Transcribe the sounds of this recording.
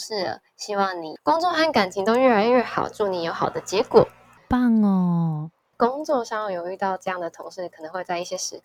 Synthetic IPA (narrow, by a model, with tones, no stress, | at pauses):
ʂɻ̩˥˩ə̰˩ | ɕi˥wɑ˥˩ŋni˨˩kʊ˥ŋʈ͡ʂo˥˧xa˥˩nka˨˩nt͡ɕʰi˧˥ŋt̪o˥ʊɥɛ˥˩la˧˥ɪɥɛ˥˩xɑ̰˨˩ʊʈ͡ʂu˥˩ni˨˩jo˧˥xɑ˨˩ʊd̪ə˦t͡ɕjɛ˧˦kwɔ̰˨˩˦ | pa˥˩ŋə˨˩ | kʊ˥ŋt͡swɔ˥˧ʂɑ˥˧ŋjjo˨˩ʊy˥˧t̪ɑ˥˧ʊʈ͡ʂɤ˥˧jɑ˥˩ŋd̪ə˩t̪ʰʊ˧˥ŋʂɻ̩˥˩kʰɤ˨˩nɤ˧˥ŋxwe˥˧ɪt͡sa˥˧ɪi˥˩ɕjɛ˥ʂɻ̩˧˥